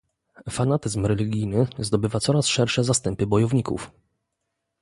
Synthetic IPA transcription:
fanat̪ɘzmɾɛlʲiɡʲijnɘzd̪ɔbɘvat̪sɔɾasʂɛɾʂɛzast̪ɛmpɘbɔjɔvɲikṵf

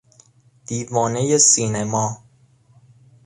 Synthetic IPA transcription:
d̪̥iːvɒːnejesiːnemɒː

